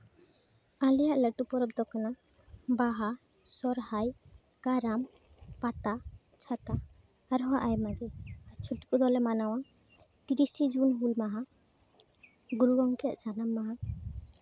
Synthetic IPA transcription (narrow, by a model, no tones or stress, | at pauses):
alɛjaʔləʈupɔɾɔbd̪ɔkana | baɦa | sɔɾhaj | kaɾam | pat̪a | t͡ʃʰat̪a | aɾɦɔaʔajmaɡɛat͡ʃʰuʈi̥kud̪ɔlɛmanaw̃a | t̪iɾisid͡ʒunɦulmaɦã | ɡuɾuɡɔŋkɛa̰ʔsanamːaɦã